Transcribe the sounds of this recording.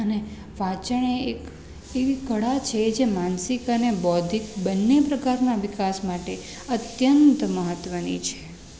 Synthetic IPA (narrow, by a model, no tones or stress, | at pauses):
əne | ʋat͡ʃəɳ̃eek | eʋikəɽat͡ʃʰed͡ʒemansikənebɔd̪ʱik̚bənːepɾəkaɾnaʋikasmaʈe | ət̪jənt̪məɦət̪ʋənit͡ʃʰe̥